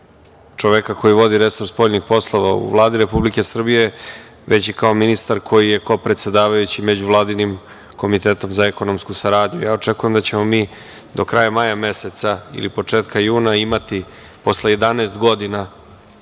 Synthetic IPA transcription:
t͡ʃoʋekako̞jiʋo̞d̪iɾesoɾspoʎʲnixpo̞slˠo̞ʋaṵʋlˠaːd̪iɾe̞publike̞sr̩bije | ʋe̞t͡ɕikao̞minist̪aɾkʰo̞jije̞ko̞pɾe̞t̪se̞d̪aːʋajut͡ɕime̞d͡ʑuʋlˠaːd̪inim | ko̞mit̪e̞ːt̪o̞mzaeko̞no̞mskusaɾaːd̪ɲujaːo̞t͡ʂekuje̞md̪at͡ɕemo̞miː | d̪o̞kɾajamajame̞se̞t̪saḭlipo̞t͡ʂeːt̪kajuːnaimat̪i | po̞sleje̞d̪aneːst̪ɡo̞d̪ina

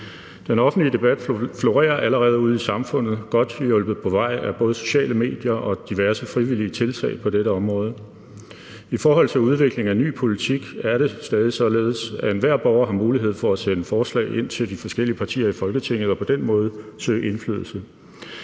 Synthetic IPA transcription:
d̥enɒ̽fn̩dliəd̥e̝b̥æd̥flo̝ʁɛ̰ːɐʔæləʁɛːð̞̩ˠuð̞̰ˠisɑ̈mfɔ̽n̰ð̞̩ˠɡ̥ɒ̽d̥jɔ̽lb̥ð̞̩ˠpʰɒ̽ʋɑ̈ɪ̰æb̥ɔ̽ːð̞ˠso̝̥ɕɛ̰ːləme̝̰ːd̥jɐʔɒ̽d̥iʋæɐsəfʁiʋiliət͡sʰe̝lt͡sʰɛ̰ːɪpʰɒ̽d̥eɾəɒ̽mʁɔ̽ːð̞ˠ | ifɒːɦɒ̽l̰t͡sʰe̝luð̞ˠʋe̝ɡ̥le̝ŋæny̰ːpʰo̝lit͡sʰiɡ̥æɐɾ̥e̝sd̥ɛːð̞ˠisɒ̽le̝ːð̞̩ˠsæenʋæɐ̰b̥ɒʊɐɦɑ̈muːliɦe̝ð̞̰ˠfɒ̽æsenəfɒːslɛ̰ːɪʔe̝n̰t͡sʰe̝ld̥ifɒ̽sɡ̥el̰iəpʰɑ̈t͡sʰḭːɐifɒ̽lɡ̥ət͡sʰeŋ̰ð̩ˠɒ̽pʰɒ̽d̥en̰mɔ̽ːð̞ˠsø̰ːe̝nfly̰ð̞ˠl̩sə

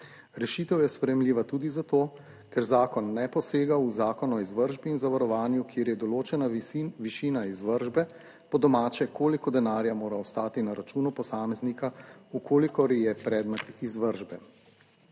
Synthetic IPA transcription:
ɾɛʃiːt̪ɛwjɛspɾɛjɛmliːʋat̪uːd̪izat̪oː | kɛɾzaːkɔnːɛpɔseːɡauzaːkɔnɔizʋəɾʒbiːnzaʋaɾɔʋaːnjukjeːɾjɛd̪ɔloːt͡ʃɛnaʋiʃiːnaizʋəɾʒbɛ | pɔd̪ɔmaːt͡ʃɛkoːlikɔd̪ɛnaːɾjamoːɾaɔst̪aːt̪inaɾat͡ʃuːnupɔsaːmɛznikaukʰoːlikɔɾjɛpɾɛd̪mɛt̪izʋəɾʒbɛ

